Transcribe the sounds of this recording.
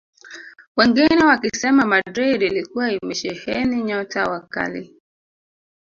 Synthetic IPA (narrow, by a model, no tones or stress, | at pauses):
wɛŋɡinɛwakisɛmamadɾedilikuwaimɛʃɛhɛniɲɔtawaka̰lḭ